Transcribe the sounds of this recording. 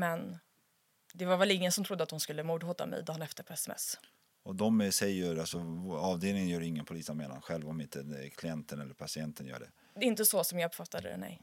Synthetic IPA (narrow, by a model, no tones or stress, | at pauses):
mɛn | d̪ɛvaɾvɛlɪŋːənsɔmt̪ʰɾʊd̪ːəat̪hʊnskɵlːəmuːd̪hoːt̪a̰mɛ̰jd̪ɑːnɛft̪əɾpʰɔɛsɛmɛ̰s | ɔd̪ɔmsɛjːəɾalsɔɑːvd̪eːlnɪŋənjœːɾɪŋːənpʰʊliːsameːna̰nɧɛlvɔmɪnt̪əkʰlɪɛnt̪ənɛlːəɾpʰasɪɛnt̪ənjœ̰ːɖɛ̰ | d̪ɛɪnt̪əsɔsɔmjɑːɡpfat̪ːad̪ə̰nɛ̰j